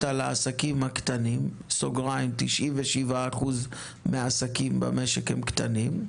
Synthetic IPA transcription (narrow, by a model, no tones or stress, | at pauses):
talaasakimhakt̪anim | soɡʁajmt̪iʃʔiveʃivaːχuz | measakimba̰meʃekhemkt̪anim